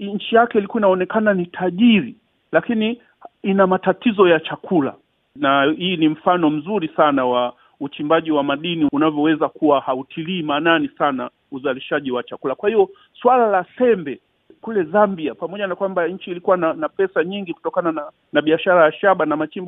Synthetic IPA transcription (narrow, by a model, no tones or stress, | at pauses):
ɲ̩t͡ʃijakɛilikuinaɔnɛkananitʰaʄiɾi | lakini | inamatatizɔjat͡ʃakʰula̰ | nahiːnim̩fanɔm̩zuɾisanawa | ut͡ʃimbaʄiwamaɗiniunavjɔwɛzakuwahautʰiliːmaːnanisana̰ | uzaliʃaʄiwat͡ʃakulakwahiɔ | swalalasɛmbɛ | kulɛzambiapamɔʄanakwambaɲ̩t͡ʃiːlikuwananapɛsaɲiŋɡiku̥tɔkanana | naɓiaʃaɾajaʃaɓanamat͡ʃimb